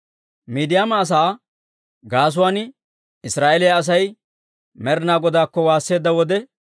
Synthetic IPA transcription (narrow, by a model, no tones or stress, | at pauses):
miːd̪ɪjaːmɐːs̬aː | ɡaːs̬ʊwaːn | ɪsɾaːʔɛlɪjɐɐs̬ɐj | mɛɾnaːɡɔd̪aːkːɔwaːsːe̞ːd̪ːɐwɔd̪ɛ